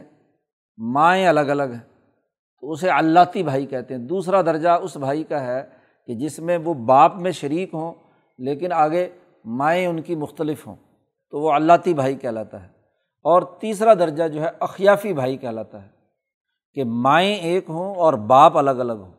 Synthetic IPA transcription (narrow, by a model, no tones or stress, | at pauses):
mãːẽɐləɡɐləɡɦɛ̃ː | t̪oʊseɐlːaːt̪ibʱaːikɛɦt̪ẽɦɛ̃d̪uːsɾad̪ɐɾd͡ʒaʊsbʱaːikaɦɛ | ked͡ʒɪsmẽʋobaːpmẽʃɐɾiːkɦõː | leːkɪnaːɡe | mãːẽʊnkimʊxt̪əlɪfɦõ̰ː | t̪oʋoɐlːaːt̪ibʱaːikɛɦlaːt̪aɦɛː | ɔːɾt̪iːsɾad̪ɐɾd͡ʒad͡ʒoːɦɛɐxjaːfibʱaːikɛɦlaːt̪aɦɛː | kemãːẽeːkɦõɔːɾbaːpɐləɡɐləɡɦõː